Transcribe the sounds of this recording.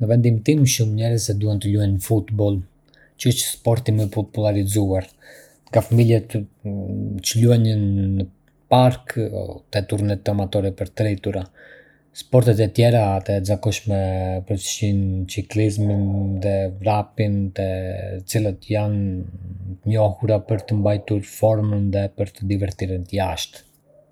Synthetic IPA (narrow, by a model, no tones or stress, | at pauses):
nəvɛnd̪imt̪imʃumɲɛɾəzɛd̪uhɛnt̪əluɛnnəfut̪bɔlˠ | t͡ʃəət͡ʃspɔɾt̪iməpɔpulaɾizuaɾ | ŋɡafamiljɛt̪ | t͡ʃəluɛnənːə | paɾkt̪ɛt̪uɾnɛt̪amat̪ɔɾipəɾt̪ɾɛt̪uɾa | spɔɾt̪ɛt̪ɛt̪jɛɾaːt̪ɛzakɔʃmɛpɾɔʃint͡siklizminðɛvɾapint̪ɛt͡silˠət̪əjan | t̪əɲɔhuɾapəɾt̪əmbajt̪uɾfɔɾmənðɛpəɾt̪əd̪ivɛɾt̪iɾənt̪əjaʃt̪